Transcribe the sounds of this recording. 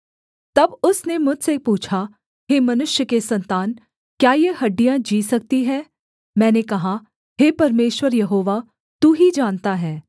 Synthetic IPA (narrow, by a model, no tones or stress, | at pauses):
t̪ɐbʊsnemʊd͡ʒsepuːt͡ʃʰa | ɦeːmɐnʊʃjəkesɐ̃nt̪aːn | kjaːjeɦɐɖːijãd͡ʒiːsɐk̚t̪iɦɛː | mɛ̃ːnekɐɦa | ɦeːpɐɾmeːʃwəɾjɐɦoːʋa | t̪uːɦid͡ʒaːnt̪aɦɛː